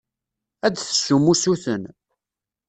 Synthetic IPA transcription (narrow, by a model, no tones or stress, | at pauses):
æd̪θə̥sumusuθən